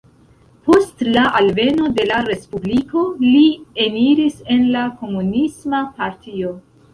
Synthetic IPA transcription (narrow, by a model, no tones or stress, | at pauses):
po̞stlaʔalve̞no̞de̞laɾe̞spubliko̞lieniɾise̞nlako̞munismapaɾtio̞